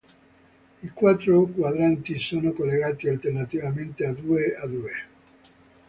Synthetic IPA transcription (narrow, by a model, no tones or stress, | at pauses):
ikwat̪ːɾokwad̪ɾant̪isoːnokolːeɣaːt̪ialt̪ernat̪ivament̪ead̪uead̪ue